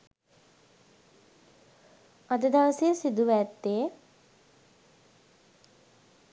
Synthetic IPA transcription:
ad̪əd̪aʋəsejəsid̪uʋɛt̪ːe

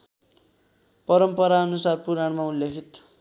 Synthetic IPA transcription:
pʌɾʌmpʌɾaʌnusarpuɾaɽmauljekʰit̪

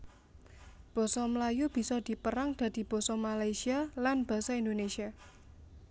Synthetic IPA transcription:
b̥ɔ̤sɔməlajub̥i̤sɔd̪̥i̤pəɾaŋd̪̥ä̤d̪̥i̤b̥ɔ̤sɔmalajsialanb̥a̤saind̪onesia

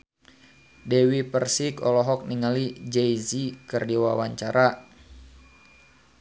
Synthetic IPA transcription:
dɛwipərsikɔlɔɦɔk̚niŋalid͡ʒɛjzikɨrdiwawaɲt͡ʃaɾa

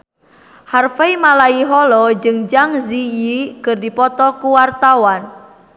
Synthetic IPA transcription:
harfeimalaiɦɔlɔd͡ʒɨŋd͡ʒaŋzijikɨrdipɔt̪ɔkuwart̪awan

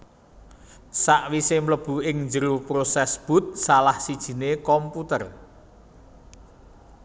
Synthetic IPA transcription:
saʔwisemləb̥ṳɪŋnd͡ʒəɾupɾosɛsb̥ṳt̪̚salahsid̥ʒ̥i̤nekɔmput̪ər

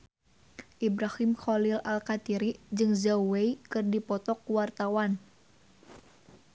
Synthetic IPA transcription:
ʔibɾahimxɔlilalkat̪iɾid͡ʒɨŋzaweikɨrdipɔt̪ɔkːuwart̪awan

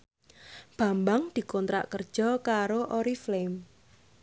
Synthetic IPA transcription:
b̥a̤mbaŋd̪̥i̤kɔnt̪ɾa̰ʔkərd̥ʒ̥ɔ̤kaɾoʔoɾiflem

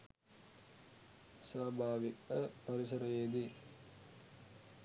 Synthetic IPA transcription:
saːbʱaːʋikɐpɐɾisɐɾɐjeːd̪i

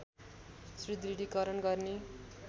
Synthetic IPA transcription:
srid̪riɽikʌɾʌnɡʌrne

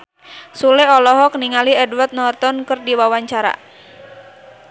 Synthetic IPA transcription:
suleɔlɔɦɔkəniŋaliɛdwart̪̚nɔrt̪ɔnkɨrdiwawaɲt͡ʃaɾa̰

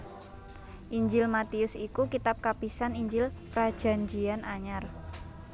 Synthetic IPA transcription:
ʔiɲd͡ʒɪlmat̪iʊsikukit̪ap̚kapisaniɲd͡ʒɪlpɾad̥ʒ̥a̤ɲd͡ʒianaɲar

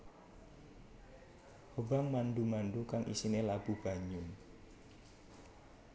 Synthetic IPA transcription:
hobaŋmandumandukaŋʔḭsinelab̥ub̥a̤ɲʊn

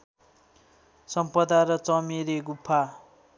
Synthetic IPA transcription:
sʌmpʌd̪aɾʌt͡sʌmeɾeɡupʰːa

